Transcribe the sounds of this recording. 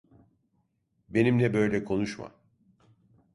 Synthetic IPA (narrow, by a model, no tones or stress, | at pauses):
be̞nimlɛbø̞jlʲɛkʰo̞nuʃma̰